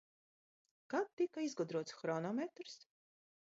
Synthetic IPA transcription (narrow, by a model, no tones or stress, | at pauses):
kat̪̚ːikaizɡɔd̪ɾuɔt̪sxɾɔnɔmet̪ɾs